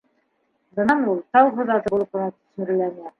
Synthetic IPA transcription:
zɤ̆nɑnulˠt̪ɑwʁɤ̆ðɑzɤ̆bulˠɤpɤ̆nɑt̪ɵ̥̆sɘ̆ɾ̆lænæ

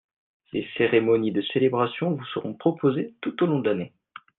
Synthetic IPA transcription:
seseʁemɔnid̪əselebʁasjɔ̃vusəʁɔ̃pχɔpozet̪ut̪olɔ̃d̪əlane

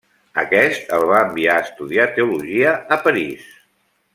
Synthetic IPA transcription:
ə̰kɛst̪əlˠβaəmbiaəst̪uðiat̪euluʒiəəpəɾis

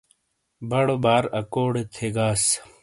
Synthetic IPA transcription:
bɐɽobaːɾɐkoːɽet̪ʰeɡaːs

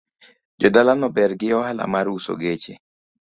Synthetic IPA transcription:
d͡ʒɔdalanɔbɛɾɡɪɔhala̰maɾuso̰ɡet͡ʃḛ

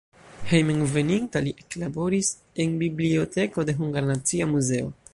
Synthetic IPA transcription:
hejmeŋve̞nintaliʔeklabo̞ɾis | e̞nbiblio̞te̞ko̞de̞ɦuŋɡaɾnat͡siamuze̞o̞̰

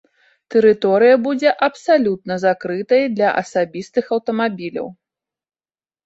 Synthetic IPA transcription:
t̪ɛɾɨt̪ɔɾɨjɐbud͡zʲɛʔɐpsalʲut̪̚nɐzakɾɨt̪ɐjɐd̪lʲɐʔɐ̰sabʲist̪ɨxɐwt̪ɐmabʲilʲɐ̰w

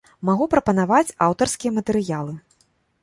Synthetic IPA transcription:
maɣupɾɐpɐnavat͡sʲawt̪ɐrskʲijɐmɐt̪ɛɾɨjalˠɨ

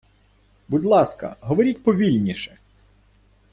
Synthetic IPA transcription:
bʊd̪lˠɑskɐ̰ɦɔʋɔɾʲitʲpɔʋʲilʲnʲiʃɛ

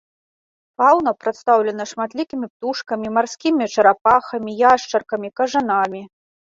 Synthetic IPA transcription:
pawnɐpɾɐt̪st̪awlʲɛnɐʂmat̪lʲikʲimʲip̚t̪uʂkɐmʲimarsʲkʲimʲit͡ʂɐɾapaxɐmʲijaʂt͡ʂɐrkɐmʲikɐʐɨnamʲi

